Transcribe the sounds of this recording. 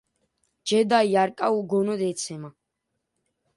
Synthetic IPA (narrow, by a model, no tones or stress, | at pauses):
d͡ʒɛd̪ajjaɾkʼauɡɔnɔd̪ɛt̪sʰɛma